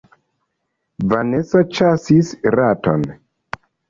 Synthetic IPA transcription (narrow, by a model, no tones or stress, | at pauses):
vanesot͡ʃasisɾato̰n